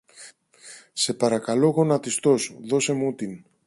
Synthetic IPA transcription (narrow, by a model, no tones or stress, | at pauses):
se̞pɐɾɐkɐlo̞ɣo̞nɐt̪ist̪o̞sðo̞se̞mut̪in